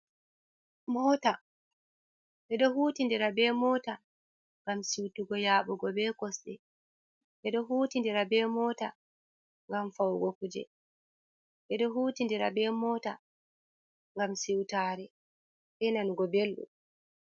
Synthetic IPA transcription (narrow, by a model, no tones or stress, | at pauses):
mɔːta | ʔɛɗɔɦutindɛɾabɛmɔːta | ŋɡamsiwtuɡɔjaːɓɔɡɔbɛːkɔsɗɛ | ɓɛɗɔɦuːtindɛɾabɛmɔta | ŋɡamfawɡokud͡ʒɛ̰ | ʔɛɗɔɦuːtindɛɾabɛːmɔːta | ŋɡamsiwtaːɾɛ | ɓɛnanɡɔbelɗṵ